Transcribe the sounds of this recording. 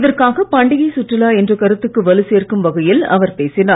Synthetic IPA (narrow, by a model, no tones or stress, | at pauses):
ɪðɐrkaːɣɐpɐɳɖɪɣɐɪsʊʈrɪlaːɛndrɯkɐɾɯt̪ːɯkːɯʋɐlɯseːrkɯmʋɐɣɐjɪlɐ̰ʋɐɾpeːsɪnaː